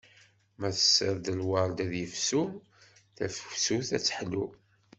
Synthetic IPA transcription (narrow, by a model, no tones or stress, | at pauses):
mæθə̥sːəɾd̪əlwaɾˤd̪æðjəfsu | θæfəwsuθæt͡sːħlu